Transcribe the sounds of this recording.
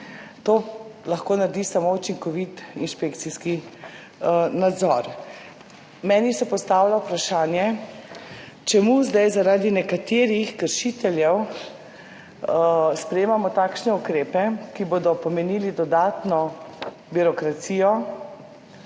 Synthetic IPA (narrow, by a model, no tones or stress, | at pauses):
t̪oːlaxkoːnaɾd̪isamout͡ʃiŋkɔʋit̪inʃpekt̪siski | nad̪zɔɾ | mɛːnisɛpɔst̪aːwlaupɾaʃaːnjɛ | t͡ʃɛmuzd̪ajzaɾaːd̪inɛkat̪eɾixkəɾʃit̪ɛljɛw | spɾɛjeːmamɔt̪aːkʃnɛukɾeːpɛkiboːd̪ɔpɔmɛniːlid̪ɔd̪aːt̪nɔ | biɾɔkɾat̪siːjɔ